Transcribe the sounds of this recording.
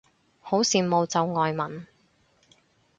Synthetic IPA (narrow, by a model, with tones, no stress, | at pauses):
ho˨˥wsiː˨nmo˨˧wt͡sɐ˨wŋɔː˨˧jmɐ˨˩n